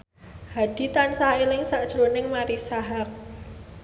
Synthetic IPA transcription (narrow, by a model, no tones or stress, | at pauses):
haɖ̥i̤t̪ansaelɪŋsaʔd̥ʒ̥ɾonɪŋmaɾisaɦak̚